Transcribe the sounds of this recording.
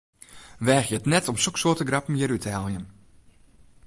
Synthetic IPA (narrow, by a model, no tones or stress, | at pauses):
ʋɛːxjəətnɛtɔmsoksoətəɡrapm̩jəɾytʰɛlˠjən